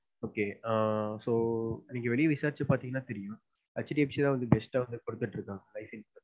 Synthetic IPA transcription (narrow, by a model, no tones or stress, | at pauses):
oːkeːaːsoːɪnːiŋkːɛʋɛɭɪjɐʋɪsaːɾɪt͡ʃɐpaːɾt̪iːŋɡɐnːaːt̪ɛɾɪjʊ̃ | ɐt͡ʃːɐɾiɐpːt͡ʃːt̪ãːʋɐnd̪ɯbɛsʈaʋɐnd̪ɯkɔɽɯt̪ːɪʈːɪɾɯkːãːŋɐlɐɪsɛnsɐ